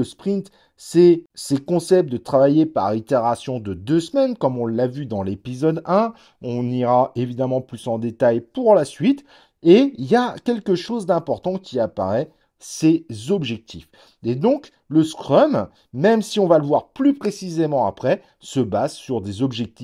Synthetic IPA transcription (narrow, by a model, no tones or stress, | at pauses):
əspχĩnt̪ | sɛsekɔ̃sɛp̪̚d̪ət̪χavajepa̰ʁit̪eʁasjɔ̃d̪əd̪øsmɛnkɔmɔ̃lavyd̪ɑ̃lepizɔd̪ɛ̃ | ɔ̃niʁaʔevid̪amɑ̃plysɑ̃d̪et̪ajpuʁlasɥit̪ | eiljakʲɛlkəʃozd̪ɛ̃pɔʁt̪ɑ̃kʲiapa̰ʁɛ | sezɔbʒɛk̚t̪ʰif | ed̪ɔ̃k | ləskχɔmː | ɛmsiɔ̃valəvwaʁplypχesizemɑ̃apχɛ | səbazsyʁd̪ezɔbʒɛk̚t̪if